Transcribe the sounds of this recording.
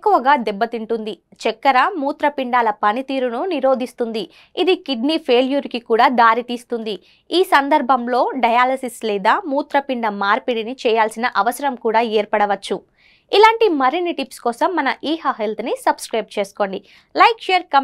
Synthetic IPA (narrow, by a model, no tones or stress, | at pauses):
kːuʋɐɡaːd̪ɛbːɐt̪iɳʈund̪i | t͡ʃɛkːɐɾɐmuːt̪ɾɐpiɳɖaːlɐpɐnit̪iːɾununiɾo̞ːd̪ʱist̪und̪i | id̪ikiɖnipʰe̞ːljuɾikikuːɽaːd̪aːɾit̪iːst̪und̪i | iːsɐnd̪ɐɾbʱɐmlo̞ːɖɐjaːlɐsislɛːd̪aːmuːt̪ɾɐpiɳɖɐmaːɾpiɽinit͡ʃɛːjaːlsinɐʔɐʋɐsɐɾɐmkuːɽaːɛːɾpɐɽɐʋɐt͡ʃːu | ilaːɳʈimɐɾinːiʈipskɔːsɐmːɐnɐʔiːɦɐɦelt̪ʰnisɐbskɾɐjb̚t͡ʃe̞ːsu̥ko̞ːɳɖi | lɐjkʃeːɾkɐm